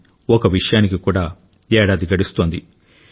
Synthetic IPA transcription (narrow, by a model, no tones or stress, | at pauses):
ɔkɐʋiʂɐjaːnikikuːɽaː | ɛːɽaːd̪iɡɐɽist̪oːnd̪i